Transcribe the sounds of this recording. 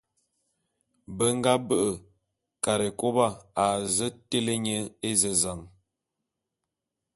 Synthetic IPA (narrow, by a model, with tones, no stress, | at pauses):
bə˦ŋ˦ɡa˦bə˦ʔə˨ | ka˨ɾe˨ko˦ba˦˨a˨zə˦te˦le˦ɲə˦e˦zə˨za˨ŋ